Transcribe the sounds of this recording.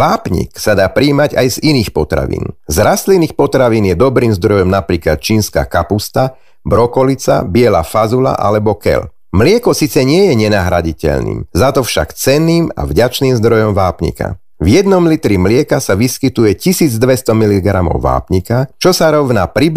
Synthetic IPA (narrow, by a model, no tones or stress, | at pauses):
ʋaːpɲḭksad̪aːpɾiːmaɟajziniːxpɔt̪ɾa̰ʋḭːnzɾast̪liniːxpɔt̪ɾaʋiːnjɛd̪ɔbɾiːmzd̪ɾɔjɔmnapɾiːklat̪̚t͡ʃiːnska̰ːkapust̪a | bɾɔkɔlit͡sa̰bɪɛla̰ːfazula̰ʔa̰lɛbɔkɛ̰l | mlɪɛkɔsiːt͡sɛɲɪɛjɛɲɛnaːɦɾaɟicɛ̰ʎnḭːmzat̪ɔfʃa̰kt͡sɛnːiːma̰vɟat͡ʃniːmzd̪ɾɔjɔmʋaːpɲḭka̰ | vjɛd̪nɔmlit̪ɾimlɪɛkasaʋiskit̪ujɛcisiːd͡zd̪ʋɛst̪ɔmiliɡɾamɔ̰ʊʋa̰ːpɲikat͡ʃɔsaɾɔʋnaːpɾib